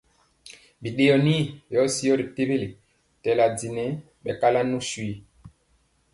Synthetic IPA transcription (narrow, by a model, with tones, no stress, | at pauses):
bi˨ɗe˨jɔ˨ni˦jɔ˦si˦ɔ˦ɾi˨te˦be˦le˨ | tɛ˨la˨di˨nɛ˦ | ɓɛ˨ka˦la˦nu˦swi˨